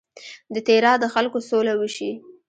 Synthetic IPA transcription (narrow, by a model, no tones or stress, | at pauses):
d̪ət̪eɾɑd̪əxalkosolawəʃi